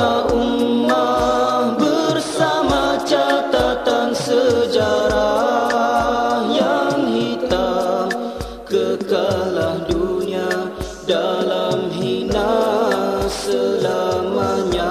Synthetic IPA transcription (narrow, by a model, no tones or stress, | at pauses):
aumːa | bərsamat͡ʃat̪at̪ansəd͡ʒaɾa | jaŋɦit̪a | kəkalahdunia | dalamɦina | səlamaɲa